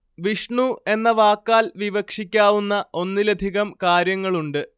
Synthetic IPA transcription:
ʋiʂɳue̞nːɐʋaːkːaːlʋiʋɐkʂikʲːaːʋunːɐʔo̞nːilɐd̪ʱiɣɐmkaːɾjɐŋːɐɭuɳɖɨ

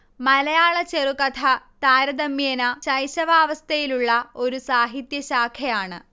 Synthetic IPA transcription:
mɐlɐjaːɭɐt͡ɕerukɐt̪ʰɐt̪aːɾɐd̪ɐmːjɐnɐɕɐjɕɐʋaːʋɐst̪ʰɐjiluɭːɐo̞ɾusaːɦit̪jɐɕaːkʰjɐjaːɳɨ

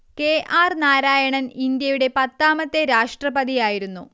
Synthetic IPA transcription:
ke̞ːʔaːrnaːɾaːjɐɳɐnind̪jɐjuɽe̞pɐt̪ːaːmɐt̪ːe̞ɾaːʂʈrɐbɐd̪ijaːjiɾunːṵ

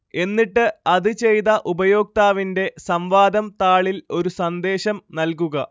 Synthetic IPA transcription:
e̞nːiʈːɨɐðɨt͡ɕe̞jt̪ɐʔubɐjo̞ːk̚t̪aːʋinde̞sɐmʋaːd̪ɐmt̪aːɭilo̞ɾusɐnd̪e̞ːɕɐmnɐlkuɣɐ

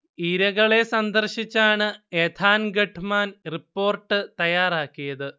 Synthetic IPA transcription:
iɾɐɣɐɭe̞sɐnd̪ɐrɕit͡ɕːaːɳɨet̪ʰaːnɡeʈʰːmaːnripːo̞ːrʈːɨt̪ɐjaːraːkːijɐðɨ

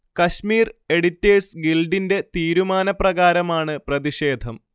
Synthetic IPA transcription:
kɐɕmiːre̞ɽitːeːsɡilɖinde̞t̪iːɾumaːnɐprɐɣaːɾɐmaːɳɨprɐðiɕe̞ːd̪ʱɐm

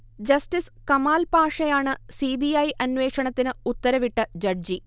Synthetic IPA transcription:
d͡ʑɐstiskɐmaːlpaːʂɐjaːɳɨsiːbijɐjʔɐnʋe̞ːkʂɐɳɐt̪ːinɨut̪ːɐɾɐʋiʈːɐd͡ʑɐɖd͡ʑi

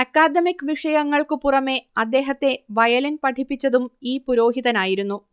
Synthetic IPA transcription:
ɐkːaːd̪ɐmikːɨʋiʂɐjɐŋːɐɭkɨpurɐme̞ɐd̪ːe̞ːɦɐt̪ːe̞ʋɐjɐlinpɐʈʰipːit͡ɕːɐðumiːpuɾo̞ːɦiðɐnaːjiɾunːu

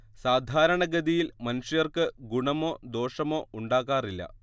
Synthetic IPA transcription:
saːd̪ʱaːɾɐɳɐɡɐd̪ijilmɐnuʂɐjɐrkɨɡuɳɐmo̞ːd̪o̞ːʂɐmo̞ːuɳɖaːɣaːrilːɐ̰

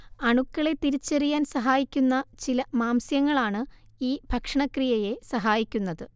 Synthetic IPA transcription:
ɐɳukːɐɭe̞t̪iɾit͡ɕːerijaːnsɐɦaːjikʲːunːɐt͡ɕilɐmaːmsjɐŋːɐɭaːɳɨ | iːbʱɐkʂɐɳɐkrijɐje̞sɐɦaːjikʲːunːɐðɨ

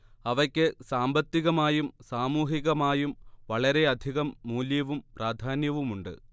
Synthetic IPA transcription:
ɐʋɐkʲːɨsaːmbɐt̪ːiɣɐmaːjumsaːmuːɦiɣɐmaːjumʋɐɭɐɾe̞ɐd̪ʱiɣɐmːuːljɐʋumpraːd̪ʱaːnjɐʋumuɳɖɨ̰

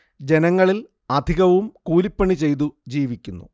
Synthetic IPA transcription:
d͡ʑe̞nɐŋːɐɭil | ɐd̪ʱiɣɐʋumkuːlipːɐɳit͡ɕe̞jt̪̬ud͡ʑiːʋikʲːunːṵ

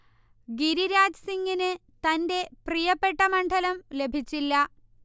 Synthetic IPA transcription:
ɡiɾiɾaːd͡ʑsiŋɡinɨ | t̪ɐnde̞prijɐpːe̞ʈːɐmɐɳɖʱɐlɐmle̞bʱit͡ɕːilːɐ

